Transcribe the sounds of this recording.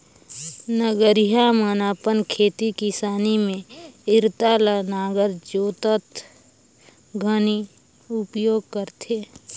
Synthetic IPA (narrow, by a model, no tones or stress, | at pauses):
nəɡəɾiɦamənaːpənkʰeːt̪ikɪsaːnimẽɪɾt̪alanaːɡəɾd͡ʒoːt̪ət̪ | ɡʱəni | ʊpjoːɡ̚kəɾt̪ʰeː